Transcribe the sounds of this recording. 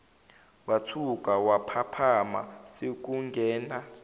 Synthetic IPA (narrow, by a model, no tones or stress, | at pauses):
watʰuk̬ʼawapʰapʰama̰sek̬uŋɡʱɛːna